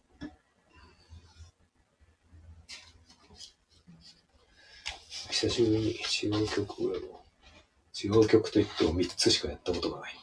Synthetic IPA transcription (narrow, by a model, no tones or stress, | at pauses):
ɕʲi̥saɕibɯ̟ɲ̟ːiʔit͡ɕijokʲo̞kʰɯ̟emo | t͡ɕijoːkʲo̞kɯ̟̥t̪o̞it̪ːeomʲit͡sɨɕi̥kajat̪ːako̞t̪o̞ɡanai